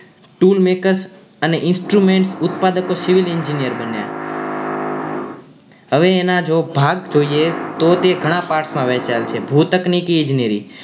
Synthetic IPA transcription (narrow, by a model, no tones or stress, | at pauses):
ʈulmekəɾs | əneʔɪnsʈɾumẽɳʈsʊt̪pad̪əkosɪʋilɪɲd͡ʒinijəɾbənja̰ | ɦəʋeːnad͡ʒobʱaɡd͡ʒoiet̪ot̪eɡʱəɽ̃ãpaɾʈsmãʋɛt͡ʃalt͡ʃʰebʱut̪əknikiẽd͡ʒnijəɾi